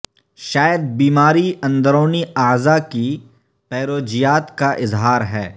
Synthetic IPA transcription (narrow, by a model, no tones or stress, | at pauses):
ʃaːjəd̪̚biːmaːɾiɐ̃nd̪əɾoːniaːzaki | pɛːɾoːd͡ʒijaːt̪kaʔɪzɦaːɾɦɛː